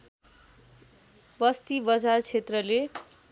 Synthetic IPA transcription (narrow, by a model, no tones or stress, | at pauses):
bʌst̪ibʌd͡zart͡sʰet̪rʌle